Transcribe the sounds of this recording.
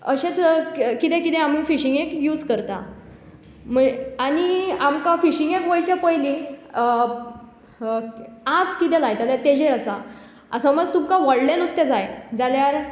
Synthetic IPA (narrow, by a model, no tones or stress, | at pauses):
əɕẽt͡skit̪ɛ̃kit̪ɛ̃amifiɕiŋɡekjuːd͡zkəɾt̪a̰ | m̤əaniamkãfiɕiŋɡekʋəjt͡ɕepəjli | ad͡zkit̪ɛlajt̪aljat̪ed͡ʑeɾəsa̰ | a̰səməd͡zt̪umkãʋəɽlẽnust̪ed͡zajd͡zaljaɾ